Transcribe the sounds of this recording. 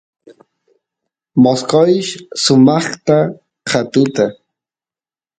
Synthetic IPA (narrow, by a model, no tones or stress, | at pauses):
moskojʃsʊmɑχt̪a | qat̪ʊt̪a